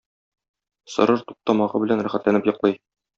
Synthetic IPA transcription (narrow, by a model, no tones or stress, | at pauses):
sɤ̆ɾɤɾt̪u̥q̚t̪ɑmɑʁɤbɘ̆lænɾæχæt̪lænɘpjɤ̆qlˠɤj